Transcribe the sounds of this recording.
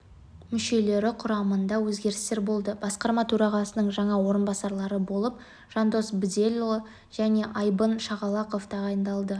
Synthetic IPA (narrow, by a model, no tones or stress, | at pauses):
mʏʃe̞le̞ɾɪqʰʊɾɑmənd̪ɑwɵzɡʲe̞ɾɪst̪e̞ɾbo̞lˠd̪əb̥ɑsqɑɾmɑt̪ʰɵɾɑʁɑsənəɴʒɑɴɑwo̞ɾənbɑsɑɾlˠɑɾəbo̞lˠəp̚ | ʒ̥ɑnd̪o̞sbɪd̪elʲo | ʒ̥æne̞ʔɑjbənʃɑʁɑlˠɑqo̞ft̪ʰɑʁɑjənd̪ɑlˠd̪ə